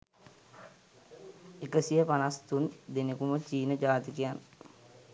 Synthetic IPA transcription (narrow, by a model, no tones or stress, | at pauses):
ekəsijəpanast̪und̪enekumət͡ʃiːnəd͡ʒaːt̪ikejan